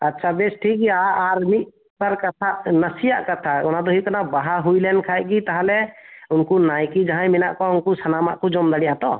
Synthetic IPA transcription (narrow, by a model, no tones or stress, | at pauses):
atːʃʰabesʈʰik̚ːiaaɾmit̪̚ | paɾkat̪ʰaʔnəsijaʔkat̪ʰaɔnad̪ɔɦikanabaɦaɦujlɛnkʰajʔ̚kit̪aɦalɛʊnkunajkid͡ʒaɦãjmina̰ʔkɔʊnkusʰanamaʔkɔd͡ʒɔmd̪aɽijat̪ɔ